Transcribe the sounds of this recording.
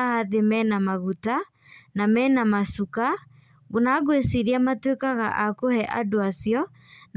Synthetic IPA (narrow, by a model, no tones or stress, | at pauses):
aðemɛnamaɣuta | namɛnamasuka | ɣonaɣwesiɾiamatwekaɣa̰ʔakohɛʔadoasjɔ | n